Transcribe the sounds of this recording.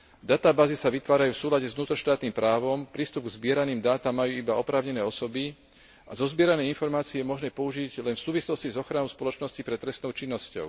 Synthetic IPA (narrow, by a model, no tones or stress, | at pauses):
d̪at̪aːbaːzisaʋit̪ʋaːɾajuːfsuːlaɟɛzʋnuːt̪ɾɔʃt̪aːt̪niːmpɾaːʋɔmpɾiːst̪ubɡzbɪɛɾaniːmd̪aːt̪amːajuːibaɔpɾaːʊɲɛnɛːɔsɔbi | azɔzbɪɛɾanɛjinfɔɾmaːt͡siːjɛmɔʒnɛːpɔuʒiɟlɛnfsuːʋislɔscizɔxɾanɔʊspɔlɔt͡ʃnɔscipɾɛt̪ɾɛst̪nɔʊt͡ʃinːɔscɔ̰ʊ